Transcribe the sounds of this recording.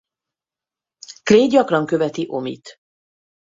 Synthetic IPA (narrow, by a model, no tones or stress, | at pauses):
kleːɟɒkrɒŋkø̞vɛt̪iʔo̞mḭt̪